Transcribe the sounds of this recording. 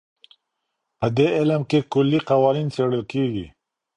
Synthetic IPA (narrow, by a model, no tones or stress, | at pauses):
pəd̪eɪləmkekʊlːiqawɑnint͡seɽəlkeɡḭ